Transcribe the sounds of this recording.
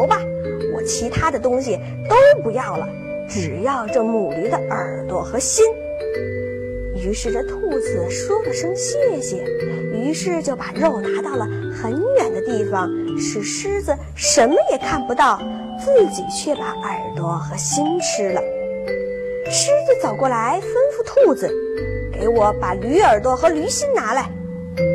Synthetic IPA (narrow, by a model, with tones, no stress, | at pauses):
ʊbɐ˨ | wɔ̰˨˩t͡ɕʰi˧˥t̪ʰa˥d̪ə˨t̪ʊ˥ŋɕi˨ | t̪o˥ʊpu˧˥jɑ˥˩ʊlə̰˩ | ʈ͡ʂɻ̩˨˩jɑ˥˧ʊʈ͡ʂɤ˥˩mu˨˩li˧˥d̪ə˧ʔə˞˨˩t̪wɔ˥xɤ˧˥ɕi˥n | y˧˥ʂɻ̩˥˩ʈ͡ʂə˥˧t̪ʰu˥˩d͡zɹ̩˨˩ʂwɔ˥d̪ə˨ʂɤ˥ŋɕjɛ˥˩ɕjɛ˨˩˦y˧˥ʂɻ̩˥˧t͡ɕjo˥˩ʊpa˨˩ɻo˥˩ʊt̪a˧˥t̪ɑ˥˩ʊlə˩ | xə˧˥nɥɛ˨˩nd̪ə˦t̪i˥˩fɑ˨˩ŋʂɻ̩˥˩ʂɻ̩˥d͡z̩˨ | ʂə˧˥nmə˧jɛ˨˩kʰa˥˩npu˧˥t̪ɑ˥˩ʊ | t͡sɹ̩˥˩t͡ɕi˨˩t͡ɕʰɥɛ˥˩pa˧˥ʔə˞˨˩t̪wɔ˥˩xɤ˧˥ɕi˥nʈ͡ʂʰɻ̩˥lə˨ | ʂɻ̩˥d͡zɹ̩˨˧t͡sɑ˨˩ʊkwɔ˥˩la˧˥ɪfə˥nfu˥˧t̪ʰu˥˩d͡zɹ̩˩ke˧˥ɪwɔ˧˥pa˨˩ly˧˥ə˞˨˩t̪wɔ˥˩xɤ˧˥ly˧˥ɕi˥nna˧˥la˧˥ɪ